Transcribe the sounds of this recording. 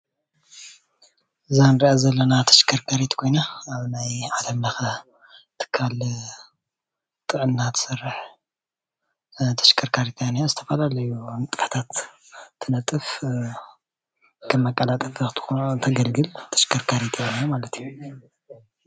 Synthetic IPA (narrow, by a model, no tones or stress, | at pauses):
zanɾiʔazɐlːɐnat̪ʰɐ̥ʃkʰɐɾkʰaɾet̪kʰo̞jnaːβnajʕad̪ɐmlɐxɐ | t̪ʰɨ̥kʰːal | t̪ʼɨʕɨnːat̪ʰsɨrːɨħ | t̪ʰɐ̥ʃkʰɐɾkʰaɾet̪ʰjanijozɨt̪ʰɐfalalɐjunt̪ʼɨħt̪ʰat̪ʰː | ɨnɐt̪ʼːɨf | kʰɐmːɐkʼːɐlat̪ʼɐfʰt̪ʰɐɡɐlɡɨlt̪ʰɐ̥ʃkʰɐɾkʰaɾet̪ʰjanijomalɐt̪ʰiju